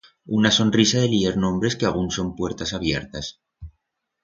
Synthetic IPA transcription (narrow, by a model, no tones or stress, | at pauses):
unaso̞nrisaðe̞lieɾnõ̞mbɾe̞skeaɣ̞unso̞mpwe̞ɾt̪asaβje̞ɾt̪as